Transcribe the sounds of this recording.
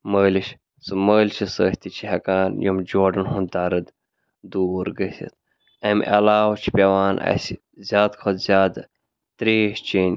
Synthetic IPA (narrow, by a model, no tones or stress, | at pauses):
məːliʃ | sɨməːlʲt͡ʃʰisəːht̪it͡ʃʰiɦɐkaːnjomd͡ʒoːɖɐnɦund̪aːɾɐd̪ | d̪uːɾɡɐsḭt̪ʰ | ɐmʲʔɐ̰laːwt͡ʃʰipʲewaːnʔɐ̰si | zʲaːd̪kʰɐzʲaːd̪ɐ | t̪ɾeːʃt͡ʃiːnʲ